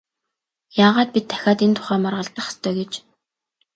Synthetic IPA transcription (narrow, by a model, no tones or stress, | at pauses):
jaːʁaːt̪̚pit̪ʰːæ̥xʲaːt̪ent̪ʰʊ̥χæːmarʁə̆ɮt̪ə̆χḁst̪ʰœːɡet͡ɕ